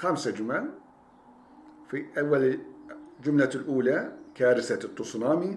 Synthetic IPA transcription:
xamsad͡ʒʊman | fiʔawːal | d͡ʒʊmlalʔuːlakaːɾɪsat̪ˤːʊsˤnaːmi

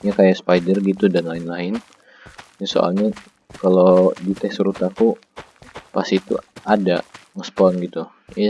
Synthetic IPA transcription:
ɲakajaspajdərɡit̪udanlaɪnlaɪn | jaso̰ʔa̰lɲa | kalodit̪ɛsɾut̪aku | pasit̪ṵada̰ŋəspɔnɡit̪u | ja

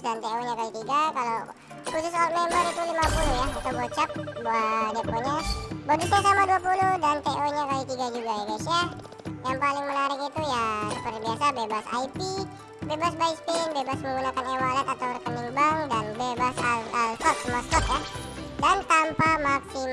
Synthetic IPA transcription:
dant̪eoɲakalit̪iɡakalaw | kusʊskalamɛməɾit̪ulimapulʊhjaat̪awbɔt͡ʃap̚bad̪eoɲabodusɲasamaduapuluhdant̪eʔoɲakalit̪iɡad͡ʒuɡajaɡesia | jaŋpalɪŋmənaɾɪkit̪ujasəpərt̪̚biasabebasa̰ipi | bebasbaɪkspenbebasməŋɡunakanewalat̪at̪awrkəniŋbaŋdanbebasaalkɔt̪̚səmaskɔt̪̚jahdant̪ampamafi

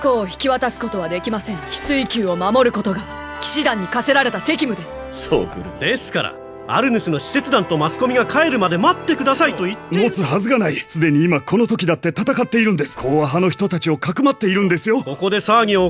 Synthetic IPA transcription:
ko̞ːçi̥kʲiβat̪asɨ̥ko̞t̪o̞βad̪e̞kʲimasẽ̞ŋ̃çʲi̥sɨikʲɨːo̞mamo̞ɾɯ̟ko̞t̪o̞ɡa | kʲi̥ɕid̪ãɲ̟ːikase̞ɾaɾe̞t̪ase̞kʲimɯ̟d̪e̞sɨ̥so̰ːd̪e̞sɨ̥kaɾa̰ | a̰ɾɯ̟nɯ̟sɨno̞ɕi̥se̞t͡sɨd̪ãnt̪o̞masɨ̥ko̞mʲiɡakʰae̞ɾɯ̟mad̪e̞mat̪ːe̞kɯd̪asait̪o̞it̪ːmo̞t͡sɨɦazɨkanaisɨd̪e̞ɲ̟iːmako̞no̞t̪o̞kʲid̪at̪ːe̞t̪at̪akat̪ːe̞iɾɯ̟̃nd̪e̞sɨ̥kʰo̞ːaɦano̞çi̥t̪o̞t̪at͡ɕio̞kakɯ̟mat̪ːe̞iɾɯ̟̃nd̪e̞sɨjo̞ko̞ko̞d̪e̞saːɲ̟io

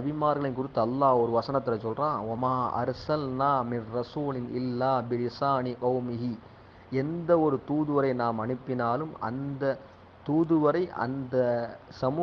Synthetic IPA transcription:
ɐbɪmaːɾɣɐɭɪnk̬ʊɾɪt̪ːɐɐlːaːɔɾɯʋɐsɐnɐt̪ːɪlɐt͡ʃːɔlrãːʋɐmaːʔɐ̰ɾsɐlnaːmɪnɾɐsuːlɪnʔɪlːaːbɪlɪsaːnɪqɐʊmɪɦi | ɛnd̪ɐɔɾɯt̪uːðɯʋɐɾɐɪnaːmɐnɯpːɪnaːlɯmʔɐ̰nd̪ɐ | t̪uːðɯʋɐɾɐɪʔɐ̰nd̪ɐsɐmuː

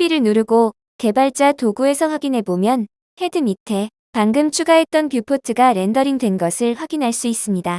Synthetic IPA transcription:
piɾɯɭnuɾuɡo | ke̞baɭt͡ɕ͈atoɡue̞sʰʌɸwaɡinɦe̞bomjʌn | he̞dɯmitʰe̞ | paŋɡɯmt͡ɕʰuɡaɦe̞t̚t͈ʌnpjupʰotʰɯɡaɾe̞ndʌɾiŋdwe̞nɡʌsʰɯɭɸwaɡinɦaɭs͈uis͈ɯmɲida

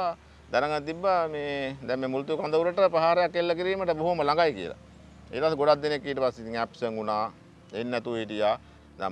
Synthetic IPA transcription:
d̪ɛnəŋɡət̪ibːameːd̪ɛmmeːmult̪ukand̪əuɾəʈəpɾəɦaːɾejakːelːɐkiɾiːməʈəboɦuməlaŋɡajkiə̰la̰ | ḭːʈəpaseɡoɽat̪̚d̪enekːiːʈəpasːeit̪iŋæpsəŋunaː | enːɛt̪uʋiʈijaː | d̪ɛ̰

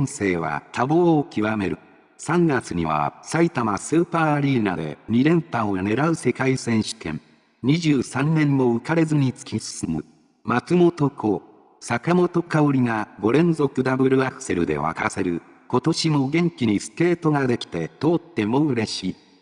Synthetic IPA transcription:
ñse̞ːβa̰t̪ʰabo̞ːkʲiβame̞ɾɯ̟ | sãŋɡat͡sɨɲ̟ḭβa̰sait̪amasɨːpaːɾʲiːnad̪e̞̰ɲʲiɾẽ̞mp̪ãone̞ɾaɯ̟se̞kaisẽ̞ɰ̃ɕɨ̥k̪ẽ̞̰ŋ | ɲ̟iʑɨːsãnːẽ̞mːo̞ɯ̟kaɾe̞zɨɲ̟it͡sɨ̥kʲisɨ̥sɨmɯ̰ | mat͡sɨmo̞t̪o̞kʰo̞ː | sakamo̞t̪o̞kaoɾʲiŋaɡo̞ɾẽ̞nzo̞kɯ̟d̪abɯ̟ɾɯ̟akɯ̟̥se̞ɾɯ̟d̪e̞̰βa̰kase̞ɾɯ̟ | ko̞t̪o̞ɕimo̞ɡẽ̞ŋkʲiɲ̟isɨ̥t̪e̞ːt̪o̞ɡad̪e̞kʲi̥t̪e̞t̪o̞ːt̪ːe̞mo̞ɯ̟ɾe̞ɕiː

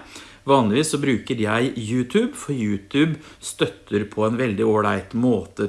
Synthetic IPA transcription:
ʋɑːnlɪʋiːsːɔbɾʉːkəɾjæɪjʉːt̪ʰʉːbfɔɾjʉːt̪ʰʉːb | st̪œt̪ʰːəɾpʰɔɛnʋɛld̪ɪoːɭæɪt̪moːt̪ə

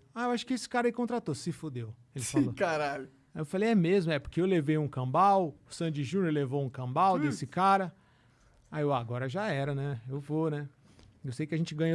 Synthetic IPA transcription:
aewaʃʊ̥kɪesɪ̥kaɾɐekõnt̪ɾat̪osɪfʊd̪ew | elɪfalokaɾaʎʊ | ajewfalejɛmezmʊɛpoɾkeewlevejũkɐ̃bawʊsɐ̃d͡ʒɪʒũnoɾlevowũkɐ̃bawd̪esɪkaɾɐ | aewaɡɔɾɐʒaɛɾɐnɛewvonɛ | ewsejkɪɐʒẽnt͡ʃɪɡɐ̃ɲo

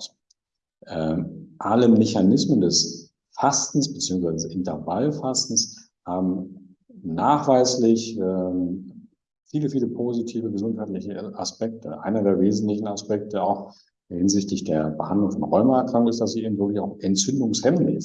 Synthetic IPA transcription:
ʔɛːmʔaləmɛçanɪsməndɛs | fastn̩sb̥ət͡siːʊŋs̬v̥aɪəzəɪntɛvalfastn̩s | haːbm̩ | naːχv̥aɪslɪçɛːm | fiːləfiːləpʰoːzitʰiːvəɡəzʊnthaɪtlɪçəʔaspɛk̚tʰəʔa̰ɪnɐdeːɐveːzn̩tlɪçn̩aspɛk̚təaʊx | hɪnzɪçtlɪçd̥eːɐbəhandlʊŋfɔnʁɔʏmɐɛɐkʁ̥aŋktɪstd̥as̬iʔeːbm̩vɪɐklɪçaʊxʔɛnt͡sʏndʊŋshɛmnɪ̰

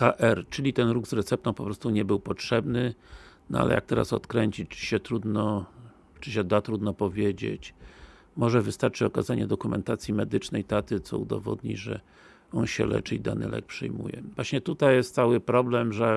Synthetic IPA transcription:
kaʔɛɾt͡ʂɘlʲit̪ɛnɾuɡzɾɛt̪sɛp̚t̪ɔ̃pɔpɾɔst̪uɲɛbɘwpɔtʂɛbnɘnɔ̰a̰lʔɛ̰ja̰k̚t̪ɛɾa̰sɔ̰t̪kɾɛɲt͡ɕit͡ɕɕɛt̪ɾud̪nɔ | t͡ʂɘɕ̬ɛd̪at̪ɾud̪nɔpɔvʲjed͡ʑḛt͡ɕ | mɔʐɛvɘst̪aɾt͡ʂɘɔkazaɲɛd̪ɔkumɛ̰nt̪at̪sʲjimɛd̪ɘt͡ʂnɛjt̪at̪ɘt̪sɔ̰ud̪ɔ̰vɔ̰d̪ɲḭʐɛ̰ | ɔnɕɛ̰lɛ̰t͡ʂɘid̪a̰nɘ̰lʔɛ̰k̚pʂɛ̰jmṵjɛ̰vwaɕɲɛt̪ut̪ajjɛst̪sawɘpɾɔblɛmʐɛ

